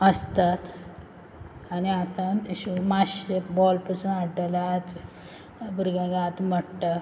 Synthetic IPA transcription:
əst̪at̪ | aniat̪ãnɕumaɕebɔlpəsunaʈəlat͡s | buɾɡãɡat̪məʈʈa

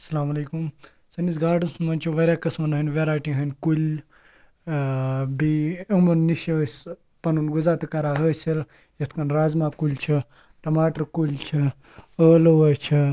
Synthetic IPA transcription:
ɐsɐlaːmɐleːkum | sɐnisɡaːɖɨnsumɐnʲt͡ʃʰiʋɐɾʲjaːkɐsmɐnɦənʲʋeɾaːjʈiɦɐnʲkulʲ | biɐmɐnːiʃəs | pɐnunɡuzaːt̪ɨkaɾaːɦəːsɐl | jɐt̪ʰkɐnɾaːzmakulʲt͡ʃʰi | ʈɐmaːʈɐɾkulʲt͡ʃʰi | əːloʋɐt͡ʃʰi

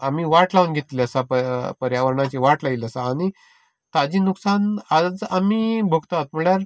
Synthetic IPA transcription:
amiːʋaʈlaʋunɡʱet̪liəsapəpəɾjaʋəɾɳat͡ɕiʋaʈlailəsaːɽ̃i | t̪ad͡ʑiːnuksanad͡zamiːbʱəkt̪aat̪m̤əɭjaɾ

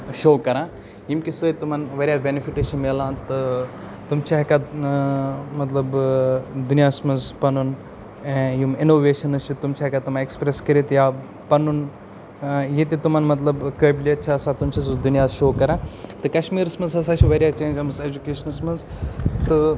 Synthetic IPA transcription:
ʃoːkɐɾãː | jimkʲisɨt̪umɐnʋɐɾʲjabenifiʈɐʃimelãːt̪ɨ | t̪umt͡ʃʰaɐka | mɐt̪lɐb | d̪unijasmɐnzpɐnun | ẽjuminoːʋeːʃɐnɐst͡ʃʰit̪umt͡ʃʰaɦkat̪umãekspɾeskɐɾit̪ja | pɐnun | jit̪it̪umɐnmɐt̪lɐbkɐːbilʲɐt͡ʃʰaːsat̪umt͡ʃʰɐsd̪unijaːzʃoːkɐɾãːt̪ɨkɐʃmiːɾɐsmɐnzɐsat͡ʃʰiʋɐɾʲjat͡ʃẽːnd͡ʒɐmɐzed͡ʒukeːʃɐnɐsmɐnzt̪ɨ

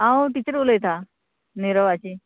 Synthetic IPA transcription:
ɦãoʈit͡ɕəɾʋoləjet̪ʰa | neɾəʋat͡ɕi

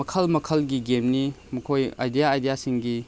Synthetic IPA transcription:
mɐkʰɐlmɐkʰɐlɡiɡemnimɐkʰoja̰jdijaːjdijasiŋɡi

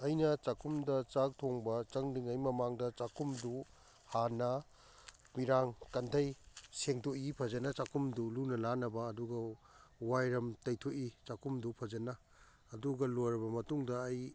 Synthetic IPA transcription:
ɐjnɐt͡ʃakʰumdɐt͡ʃak̚tʰoŋbɐt͡ʃɐŋdiŋɐjmɐmaŋdɐt͡ʃakʰumdu | hanɐ | miɾaŋkɐntʰɐjseŋtʰoʔipʰɐd͡ʒɐnɐt͡ʃakumdulunɐlanɐbɐːduɡɐwajɾɐmtɐjtʰoʔit͡ʃakumdupʰɐd͡ʒɐnɐː | duɡɐlojɾɐbɐmɐtuŋdɐːj

